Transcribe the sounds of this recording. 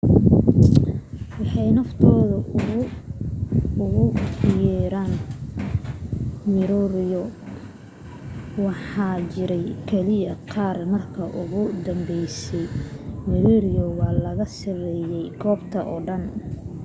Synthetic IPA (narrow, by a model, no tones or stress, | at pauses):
wɑħɑjnɐft̪ʰɔːðɐɣ | ʊɣʊjɛːɾaːn | mɪɾɔɾɪjɔ | wɑħɑːt͡ʃɪɾɛjkʰɛlɪjɐqʰɑːrmɐrkʰɐʔʊɣʊd̪ɐmbɛjsɛjmɪɾɔɾɪjɔwɑːlɐɣɐsɐrɛːjɛjɡɔːbt̪ʰɐ̰ʔɔːɖɐn